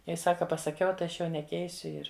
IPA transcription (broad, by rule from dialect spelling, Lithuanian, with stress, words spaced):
ˈjɛɪ ˈsɑːkɐ pɐsɐˈkʲɛʊ tɐɪ ˈɐʃ jɛʊ nʲɛˈkʲɛɪsʲʊ ˈɪr